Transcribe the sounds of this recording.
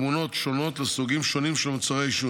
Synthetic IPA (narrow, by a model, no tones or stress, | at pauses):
muno̞tʃo̞no̞tlesuɡimʃo̞nimʃelmat͡saʁejʃu